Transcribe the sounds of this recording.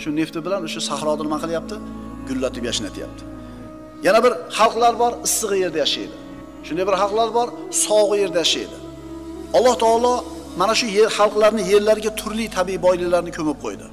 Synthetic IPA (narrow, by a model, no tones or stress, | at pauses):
ʃʊne̞ft̪ɪbɪlanoʃasahɾɒd̪anɪmaqʰɨlˠjap̚t̪ʰɪ | ɡʊlːat̪ɪpjaʃɪna̰t̪ʰɪja̰p̚t̪ʰɪ̥ | janabɪɾhɑlˠqlˠaɾbɒɾɨsːɨʁɨje̞ɾd̪ajaʃa̰jd̪ɪ | ʃʊnd̪ajbɪɾɑlˠqlˠaɾbɒɾsɒwʁɨje̞ɾd̪ajaʃa̰jd̪ɪ | ɒlˠːɒht̪ʰɒːlˠɒ | manaʃʊjeχɑlˠqlˠaɾnɪje̞ɾlaɾɪɡʲat̪ʰʊɾlijt̪ʰabiibɒjlɪlaɾnɪkʲʰɵmɪp̚qʰo̰jd̪ɪ̰